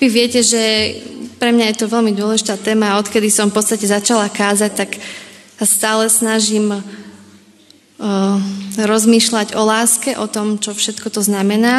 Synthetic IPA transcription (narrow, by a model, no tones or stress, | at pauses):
ʋiʋɪɛcɛʒɛ | pɾɛmɲajɛt̪ɔʋɛlmid̪ʊɔlɛʒit̪aːt̪ɛːmaːɔt̪kɛd̪isɔmfpɔt͡st̪acɛzat͡ʃalakaːzac̚t̪aksast̪aːlɛsnaʒim | ɾɔzmiːʃlaɟɔlaːskɛʔɔt̪ɔmt͡ʃɔfʃɛt̪kɔt̪ɔznamɛnaː